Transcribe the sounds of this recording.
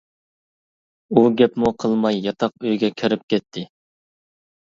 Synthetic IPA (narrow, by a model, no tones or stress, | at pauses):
uɡʲɛpmuqʰəlˠmɑjːɑt̪ʰɑq̚øjɡʲɛkʲʰøɾɪp̚kʲɛt̪ʰːɪ